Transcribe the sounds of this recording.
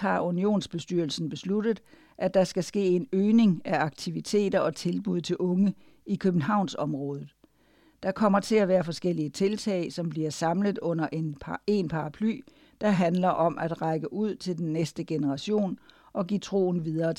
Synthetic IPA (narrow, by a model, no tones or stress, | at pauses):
hɑ̈unio̝̰ːnsb̥e̝sd̥yɐl̩sn̩b̥e̝slud̥əð̩ˠ | ʔæ̥ɑ̈sɡ̥æsɡ̥e̝̰ːe̝nøːne̝ŋæɑ̈ɡ̥̚t͡sʰiʋit͡sʰe̝̰ːd̥ɐʔɒ̽t͡sʰe̝lb̥uð̰ˠt͡sʰe̝lʔɔ̽ŋə | ikʰøb̥n̩ɦɑ̈ʊ̰nsɒ̽mʁɔ̽ːð̞ˠð̩ˠ | d̥ɑ̈kʰɒ̽m̰ɐt͡sʰe̝æʋæːɐfɒ̽sɡ̥el̰iət͡sʰe̝lt͡sʰɛ̰ɪsɒ̽mb̥liɐsɑ̈mləð̩ˠɔ̽n̰ɐʔene̝npʰɑ̈ɑ̈pʰly̰ː | d̥ɑ̈ɦænlɐʔɒ̽mʔæd̥ʁɑ̈ɪɡ̥əʔuð̞̰ˠt͡sʰe̝ld̥enːesd̥əɡ̥enəʁɑ̈ɕo̝̰ːn | ʔɒ̽ɡ̥ḭːt͡sʰʁo̝̰ːn̩ʋiðˠɐːt͡s